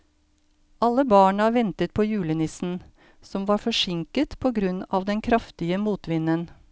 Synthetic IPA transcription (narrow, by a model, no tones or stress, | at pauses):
ʔɑlːəbɑːɳɑʋɛnt̪ət̪̚pʰoːjʉːlənɪsn̩ | sɔmʋɑːɾfɔʂɪŋkət̪pʰoːɡɾʉnɑːʋd̪ɛnkʰɾɑft̪ɪəmuːt̪ʋɪnən